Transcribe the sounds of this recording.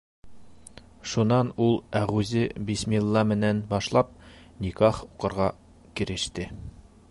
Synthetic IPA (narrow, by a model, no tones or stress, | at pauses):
ʃunɑnulˠæʁʉzɘbismʲilˠːɑmɘ̆nænbɒʃlˠɑp̚ | nʲikɑχuqɤ̆ɾʁɑ | kiɾɘ̆ʃt̪ɘ